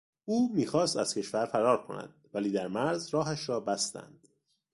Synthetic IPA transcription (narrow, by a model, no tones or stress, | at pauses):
ʔuːmiːxɒːst̪æz̥cʰe̞ʃfæɾfæɾɒːɾkʰo̞̰næ̰d̪̥̚væliːd̪æɾmæɾzrɒːɦæʃɾɒːbæst̪æ̰nd̪̥